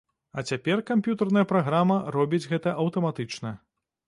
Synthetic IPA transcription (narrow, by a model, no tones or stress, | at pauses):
ɐt͡sʲapʲɛrkampʲjut̪ɐrnɐjɐpɾaɣɾamɐrɔbʲid͡zʲɣɛt̪ɐʔɐwt̪ɐmat̪ɨt͡ʂnɐ